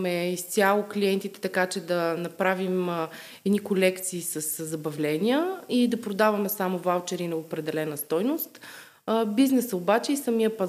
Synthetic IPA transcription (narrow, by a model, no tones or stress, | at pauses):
mɛist̪sʲjalˠʊkliɛnt̪it̪ɛ̥t̪ɐkat͡ʃɛd̪ɐnɐpɾavim | ɛd̪nikolɛkt̪siːsəszːɐbɐvlʲɛnʲiəid̪ɐpɾod̪avɐmɛsamovalˠt͡ʃɛɾinɐopɾɛd̪ɛlɛnəst̪ɔjnʊst̪ | biznɛsəobat͡ʃɛisɐmijəpɐz